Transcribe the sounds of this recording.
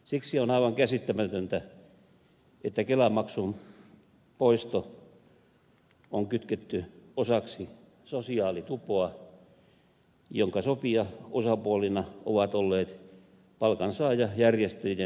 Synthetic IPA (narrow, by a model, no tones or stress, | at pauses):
siksionɑiʋɑŋkæsit̪ːæmæt̪ønt̪æ | et̪ːækelæmɑksum | poist̪o | oŋkyt̪ket̪ːyosɑksi | sosiɑːlit̪upoɑ | joŋkɑsopiɑosɑpuolinɑo̰ʋɑt̪olːeːt̪ | pɑlkɑnsɑːjɑjærjest̪ejjæ